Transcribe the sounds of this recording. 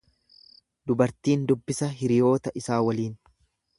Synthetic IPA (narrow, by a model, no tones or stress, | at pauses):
d̪ʊbɐɾt̪iːnd̪ʊbːɪsɐɦɪɾɪjo̞ːt̪ɐʔɪsaːwɐliːn